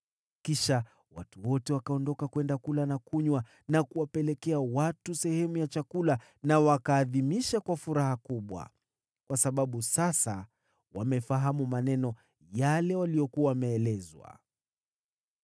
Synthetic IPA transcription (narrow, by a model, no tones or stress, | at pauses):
kiʃa | wa̰tuwɔtɛwakaɔndɔkakwɛndakulanakuɲwa | nakuwapɛlɛkɛawatusɛhɛmujat͡ʃakula | nawakaːðimiʃakwafuɾahakuɓwa̰ | kwasaɓaɓusasa̰ | wamɛfaɦamumanɛnɔ | jalɛwalijɔkuawamɛːlɛzwa̰